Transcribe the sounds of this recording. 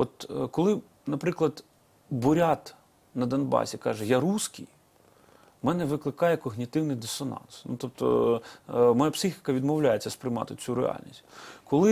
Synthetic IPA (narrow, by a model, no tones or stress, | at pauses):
ɔt̪kɔlˠɪ | nɐpɾɪklˠɐd̪ | bʊɾʲat̪ | nɐd̪ɐnbɑ̰sʲikɑʒɛjaɾuskɪj | mɛnɛʋɪklˠɪkɑjɛkɔɣnʲit̪ɪwnɪjd̪ɪsɔnɑ̰nsnṵt̪ɔp̚t̪ɔ̰ | mɔjapsɪxʲɪ̥kɐʋʲid̪mɔwlʲajet͡sʲːɐspɾɪjmɑ̰t̪ɪt͡sʲuɾḛɑ̰lʲnʲisʲtʲkɔlˠɪ